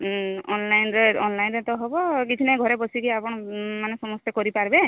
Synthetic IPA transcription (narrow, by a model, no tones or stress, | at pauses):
ɔnlajnɾeɔnlajnɾet̪ɔɦɔbɔkit̪ʰinaɡʱɔɾebɔsikiapɔɽ̃ɔmanesɔmɔst̪ekɔɾipaɾbe